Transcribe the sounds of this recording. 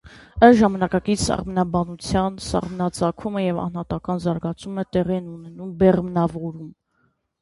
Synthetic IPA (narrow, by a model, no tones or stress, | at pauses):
əʒɑmɑnɑkɑkit͡sʰsɑ̰ʁmnɑbɑnut͡sʰjɑnsɑ̰ʁmnɑt͡sɑkʰuməjɛvɑ̰nhɑt̪ɑkɑnzɑɾɡɑt͡sʰumət̪ɛʁiɛnunɛnumbɛʁmnɑvɔɾum